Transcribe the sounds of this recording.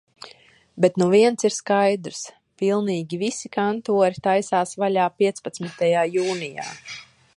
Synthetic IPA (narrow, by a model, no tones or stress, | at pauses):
bet̪nuviɛntsiɾskajd̪ɾs | pilˠniːɡʲivisikant̪uɔɾit̪ajsaːsvalʲaːpʲiɛt̪spat̪smit̪ajaːjuːnija̰ː